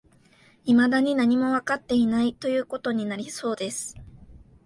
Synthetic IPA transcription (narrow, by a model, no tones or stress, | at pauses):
imad̪aɲ̟inaɲ̟imo̞βakat̪ːe̞inait̪o̞jɯ̟ːko̞t̪o̞ɲ̟inaɾʲiso̞ːd̪e̞sɨ̥